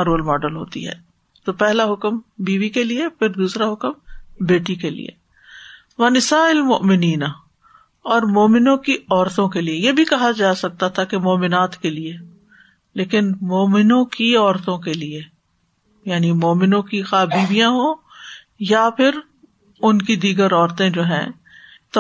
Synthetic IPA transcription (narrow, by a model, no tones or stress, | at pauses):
ɾoːlmɔːɖəlɦo̰ːt̪ḭɦɛ̰ː | t̪oːpɛɦlaɦʊkəmbiːʋikeliepʰɪɾd̪uːsɾaɦʊkəmbeːʈikelḭḛ | ʋɐnɪsaːɪlmʊʔmɪniːna | ɔːɾmoːmɪnõkiɔːɾt̪õkeliejebʱikɐɦad͡ʒaːsɐk̚t̪at̪ʰakemoːmɪnaːt̪kelie | leːkɪnmoːmɪnõkiɔːɾt̪õkelie | jaːnimoːmɪnõkixaːbiːʋijãɦoː | japʰɪɾ | ʊnkid̪iːɡəɾɔːɾt̪ẽd͡ʒoːɦɛ̰̃ː | t̪